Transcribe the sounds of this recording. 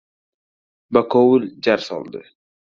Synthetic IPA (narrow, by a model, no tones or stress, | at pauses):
bakʰowʊld͡ʒaɾsɒ̰lˠd̪ɨ̰